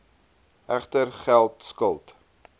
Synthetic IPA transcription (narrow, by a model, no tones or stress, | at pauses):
ʔæχtərχælˠtskəlˠt